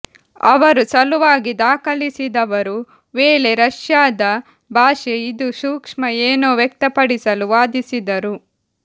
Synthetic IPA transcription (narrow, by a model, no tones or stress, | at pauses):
ɐ̰ʋɐɾusɐluʋaːɡid̪aːkɐlisid̪ɐʋɐɾu | ʋeːle̞ɾɐʂjaːd̪ɐ | bʱaːʃeid̪uʃuːkʂmɐeːnoːʋjek̚t̪ɐpɐɽisɐluʋaːd̪isid̪ɐɾu